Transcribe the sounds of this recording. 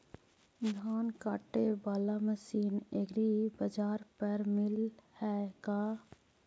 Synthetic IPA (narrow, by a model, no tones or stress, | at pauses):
d̪ʱaːnkaːʈebaːlaməsiːneɡɾibɐd͡ʒaːɾpɐɾmɪlhɛkaː